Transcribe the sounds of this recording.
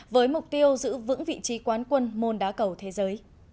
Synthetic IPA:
vəː˨˦jmʊ˨˩k͡p̚t̪i˧əwzɨ̰˧˥vɨ̰˧˥ŋvḭ˧˨t͡ɕi˨˦kwaː˨˦nkwə˧nmo˧nɗa̰ː˨˦kə˧˩wt̪ʰe˨˦zəː˨˦j

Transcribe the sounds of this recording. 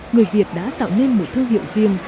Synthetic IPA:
ŋɨ˨˩əjvi˨˩ət̚ɗa̰ː˧˥t̪a̰ː˧˨wne˧nmo˨˩t̚t̪ʰɨ˧əŋɦḭ˧˨wzi˨˩əŋ

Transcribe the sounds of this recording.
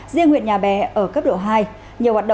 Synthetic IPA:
zi˧əŋhwḭ˧˨ənɲaː˨˩ɓɛ˨˩ʔəː˧˩kə˦˥p̚ɗo̰˧˨ɦaː˧j | ɲi˨˩əwhwaː˨˩ɗə̰˧˨

